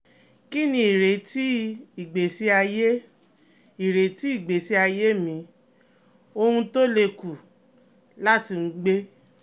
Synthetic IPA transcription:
ki˦nĩ˧i˨ɾe˨ti˦i˨ɡ͡be˨si˦a˧je˦ | i˨ɾe˨˦ti˦i˦˨ɡ͡be˨si˦a˧je˦mĩ˧˦ | o˧hũ˧to˦le˧ku˨ | la˦ti˧m̩˦ɡ͡be˦

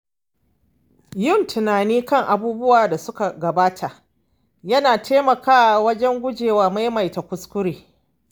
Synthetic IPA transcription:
jʊ˦˨ntʰʊ˨naː˨niː˦kɐ˦ŋʔa˨buː˦bʊ˦waː˨da˨sʊ˦ka˨ɡɐ˨baː˦tʰa˨ʔ | jɐ˦naː˨tʰeː˦mɐ˨kaː˦˨wɐ˦d͡ʒɛ˦ŋɡʷʊ˦d͡ʒeː˨waː˨ma˦jma˨jta˨kʷʊ˦skʷʊ˦ɾeː˨

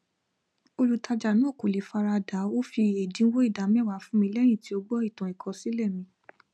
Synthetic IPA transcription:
o˧lu˧tʰa˧d͡ʒa˨nũ˦o˦˨ko˨le˨˦fa˧ɾa˧da˨˦o˦fi˧e˨dĩ˨˦wo˦i˦˨da˨mɛ̃˦˨wa˨˦fũ˨˦mĩ˧lɛ˦j̃ĩ˦˨ti˦o˧ɡ͡bɔ˦i˦˨tɔ̃˨i˨kʰɔ̃˧si˦lɛ˦˨mĩ˧˦

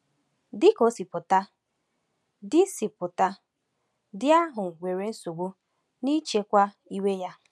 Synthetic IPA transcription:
dɪ˦ko˦si˨pʊ˨ta˦ | dɪ˦si˨pʊ˨ta˦ | dɪ˦a˦ɦʊ˨wʷe˨ɾe˦n̩˦su˨ɡ͡bu˦ | ni˦t͡ʃe˦kʷa˦ | i˦we˦ja˦

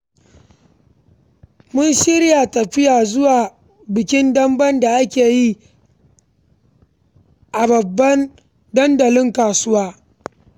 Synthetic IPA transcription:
mʊ˦nʃɪ˦ɾja˨tɐ˨ɸɪ˦jaː˨zʊ˦waː˨ | bɪ˨kʲɪ˦ndɐ˦mbɐ˦nda˨ʔa˦kʲeː˨ji˦ | ʔa˨bɐ˨bːɐ˦n | dɐ˦ndɐ˨lɪ˦ŋkaː˨sʊ˦waː˦

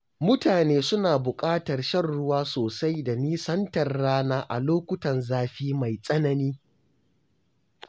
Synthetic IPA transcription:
mʊ˦taː˨neː˦sʊ˦naː˨bʊ˨kʼaː˦tɐ˨rʃɐ˦˨rːʊ˦waː˦soː˨sa˦jda˨niː˦sɐ˦ntɐ˨rːaː˦naː˦ʔa̰˨loː˦kʷʊ˦tɐ˨nzaː˦ɸiː˦ma˨jsʼɐ˦nɐ˦niː˦

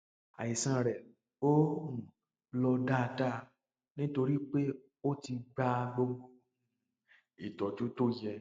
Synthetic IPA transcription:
a̰˨ji˨sã˧˨ɾɛ˨ | õ˦˨ | lɔ˧da˦˧ta˦ | nĩ˦to˧ɾi˦k͡pe˦ | o˦ti˧ɡ͡ba˧ɡ͡bo˧ | i˨tɔ˨d͡ʒu˨˦to˦˨jɛ˧

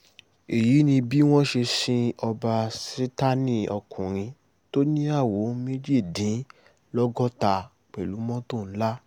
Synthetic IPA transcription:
e˨ji˨˦nĩ˧bi˦w̃ɔ̃˦ʃe˧sĩ˦ɔ˧ba˧se˦ta˦nĩ˦ɔ˧kʰũ˨ɾ̃ĩ˧ | to˦nĩ˦a˦˨wo˨˦me˦d͡ʒi˦˨dĩ˨˦ | lɔ˦ɡɔ˦ta˧ | k͡pɛ˨lu˨˦mɔ̃˦to˦˨n̩˦la˦

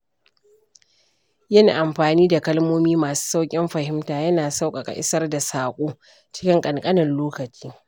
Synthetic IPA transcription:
jɐ˦ni˨ʔa˨mɸaː˨niː˦da˨kɐ˦lmoː˦miː˦maː˨su̥ː˦sa˦wkʲʼɪ˦mɸɐ˨ɦɪ˦mtaː˨jɐ˦naː˨sa˦wkʼɐ˨kʼa̰˨ʔɪ̰˦sɐ˦rda˨saː˨kʷʼoː˦ | t͡ʃɪ̥˦kʲɪ˦ŋkʼɐ˨ŋkʼɐ˦nɐ˨nloː˦kɐ˨t͡ʃiː˦

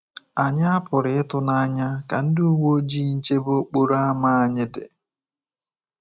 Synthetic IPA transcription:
a˨ɲa˦a˦pʊ˨ɾɪ˨ɪ˦tʊ˦na˦ɲa˦ka˨n̩˦dɪ˦u˦wo˦d͡ʒi˦ɲ̩˦t͡ʃe˦bo˦k͡po˦ɾa˦ma˦a˨ɲɪ˦dɪ̰˨

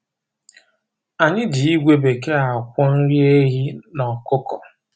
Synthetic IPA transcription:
a˨ɲɪ˦dɪ˨i˦ɡʷe˦be˨ke˦a˨kʷɔ˦n̩˦ɾi˦e˦ɦi˦nɔ˨kʊ˦kɔ˨

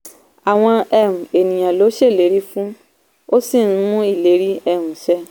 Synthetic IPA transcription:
a˨w̃ɔ̃˧ɛ˧˨ɾũ˨e˨nĩ˨j̃ã˨lo˨˦ʃe˦˨le˨˦ɾi˦fũ˦ | o˦si˦˨ñ̩˦mũ˦i˦˨le˨˦ɾi˦ɛ˦˨ɾũ˨ʃɛ˧˦

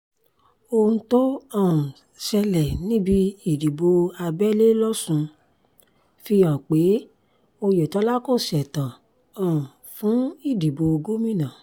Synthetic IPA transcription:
o˧ũ˧to˦ɔ̃˦˨ũ˨ | sɛ˧lɛ˨nĩ˦bi˧i˦˨di˨bo˧a˧bɛ˦le˦lɔ˦sũ˧ | fi˧ã˨k͡pe˨˦ | o˧jɛ˨tɔ˨˦la˦ko˦˨sɛ˨tã˨ | ɔ̃˦˨ũ˨ | fũ˨˦i˦˨di˨bo˧o˧ɡo˦mĩ˦˨nã˨

